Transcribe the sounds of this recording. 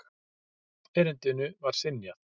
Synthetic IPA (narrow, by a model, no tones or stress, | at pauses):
ɛːɾɪnt̪ɪnʏvaɾ̥sɪnjat